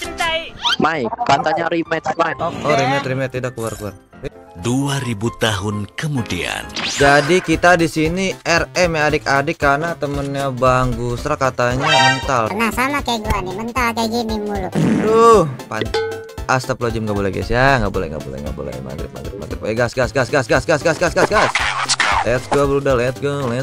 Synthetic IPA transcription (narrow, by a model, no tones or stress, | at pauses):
maipant̪aɲaɾimɛt̪maoɾimɛt̪rimɛt̪ːidakːuarkuar | duaɾibut̪aɦʊnkəmudia̰nd͡ʒadikit̪adisiniʔɛrɛmeadɪkadɪkːanat̪əmənɲabaŋɡusɾakat̪aɲamənt̪alnahsamakaɡuanimənt̪alkad͡ʒinimuludohpan | ast̪aplod͡ʒəmŋɡaʔbolɛ̰ɡɛ̰sijaŋɡaʔbolɛ̰ŋɡa̰ʔbo̰lɛ̰hŋɡa̰bo̰lɛ̰ma̰ɡɾɪ̰p̚ma̰ɡɾɪp̚ma̰ɡɾɪp̚weɡasɡasɡasɡasɡasɡasɡasɡasɡasɡaslaət̪̚ɡuabəɾudahlaət̪̚ɡulaə